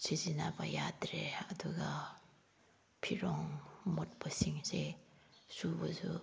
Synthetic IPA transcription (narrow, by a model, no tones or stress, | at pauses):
sʰizinabajadɾeɐduɡa | pʰiɾɔŋmɔt̚basiŋse | subazu